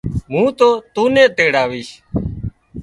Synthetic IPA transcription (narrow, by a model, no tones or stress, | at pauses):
mũːt̪oːt̪uːnẽːt̪eːɽaːʋiːʃ